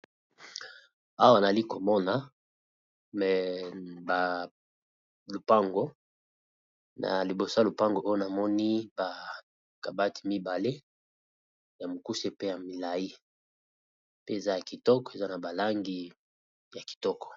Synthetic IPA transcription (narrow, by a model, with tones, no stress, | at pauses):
a˦wa˦˨na˨li˦ko˨mɔ˦na˨ | mɛ˨ba˨ | lo˨pa˦ŋɡo˦ | na̰˨li˨bo˨so˦˨lo˨pa˦ŋɡo˨ʔo˦jo˦na˨mɔ˦ni˦ba˨ | ka˨ba˦ti̥˨mi˦ba˨le˦ | ja˨mo˨ku˦se˦pe˦ja˨mi˨la˨ji˦ | pe˦e˨za˦ja˨ki˨tɔ˦kɔ̥˨e˨za˦na˨ba˨la˦ŋɡi˦ | ja˨ki̥˨tɔ˦kɔ̥˨